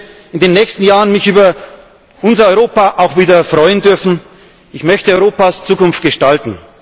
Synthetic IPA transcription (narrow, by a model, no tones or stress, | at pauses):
ɪndeːnːɛçstn̩jaːʁənmɪçʔyːbɐ | ʔʊnzɐɔʏʁoːpaʔaʊxv̥iːdɐfʁ̥ɔʏəndʏɐfn̩ | ʔɪçmœçtəɔʏʁoːpaːst͡suːkʊnft̚ɡ̥əʃtaltn̩